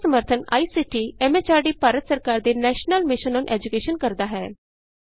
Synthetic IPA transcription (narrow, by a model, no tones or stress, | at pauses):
səməɾt̪ʰəna̰ːiːsiʈiɛːmeːt͡ʃaːɖiːpaːɾət̪səɾkaːɾd̪enɛːʃnəlmɪʃənɔːnʔɛ̰ːd͡ʒʊkeːʃənkəɾd̪aːɦɛː